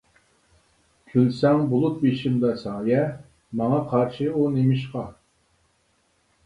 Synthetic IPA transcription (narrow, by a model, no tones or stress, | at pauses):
kʲʰylsɛŋbolˠup̚beʃɪmd̪ɑsɑːjɛ | mɑŋɑqʰɑɾʃɨunemɪʃqɑ